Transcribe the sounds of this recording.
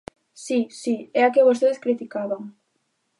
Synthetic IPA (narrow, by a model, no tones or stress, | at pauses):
sisiɛakeβost̪eðeskɾit̪ikaβaŋ